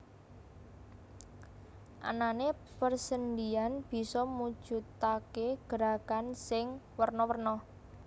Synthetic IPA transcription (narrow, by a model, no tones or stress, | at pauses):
ʔa̰nane | pərsənd̪ianb̥i̤sɔmud̥ʒ̥ṳt̪akeɡ̥əɾakansɪŋwərnɔwərnɔ